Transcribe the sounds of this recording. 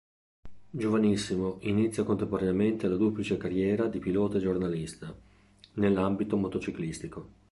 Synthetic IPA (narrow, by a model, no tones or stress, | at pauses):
d͡ʒovanisːimoʔinit̪sːjakont̪empoɾaneament̪ealad̪uplit͡ʃekarjɛːɾad̪ipilɔːt̪ed͡ʒornalist̪a | nelːambit̪omot̪ot͡ʃiklist̪iko